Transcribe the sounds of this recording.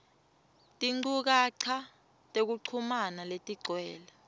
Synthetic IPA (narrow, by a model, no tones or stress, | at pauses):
tʼiŋ͡ǀuk̬aǀʰa | tʼek̬uǀʰumanaletʼiɡ͡ǀʱwɛːla